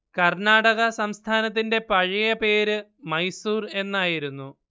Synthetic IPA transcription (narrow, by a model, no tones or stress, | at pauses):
kɐrnaːɽɐɣɐsɐmst̪ʰaːnɐt̪̬ːinde̞pɐɻijɐpe̞ːɾɨmɐjsuːre̞nːaːjiɾunːu